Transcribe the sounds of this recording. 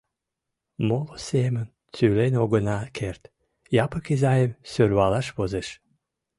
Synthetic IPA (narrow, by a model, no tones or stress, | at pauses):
molosemən | t͡sylenʲoɡənakʰert̪ | jɑpəkizajemsørβɑlaʃβozeʃ